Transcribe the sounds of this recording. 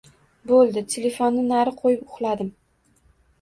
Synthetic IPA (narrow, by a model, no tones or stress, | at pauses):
bolˠd̪ɪt̪ʲʰele̞fonːɪnaɾɪqʰojɪp̚ʊχlˠad̪ɪm